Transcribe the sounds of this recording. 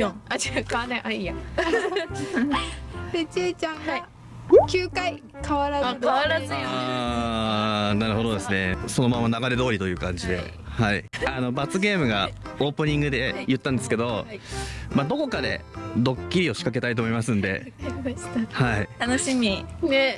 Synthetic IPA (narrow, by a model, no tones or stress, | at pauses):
oad͡ʑkanẽʔaija | et͡ɕiːt͡ɕã | kʲɨːkai | kʰaβaɾakaβaɾazɨo | naɾɯ̟ho̞d̪o̞d̪e̞sɨne̞so̞no̞mamanaɡaɾe̞d̪o̞ːɾit̪o̞jɯ̟ːkãɲ̟d͡ʑid̪e̞̰ | haiano̞bat͡sɨɡe̞ːmɯ̟ɡao̞ːpɯ̟ɲ̟ĩŋɡɯ̟d̪e̞jɯt̪ːãnd̪e̞sɨ̥ke̞d̪o̞ | mad̪o̞ko̞kad̪e̞̰d̪o̞kʲːiɾʲio̞ɕi̥kake̞t̪ait̪o̞ːmo̞imasɨ̃nd̪e̞̰ | hait̪anoɕimʲine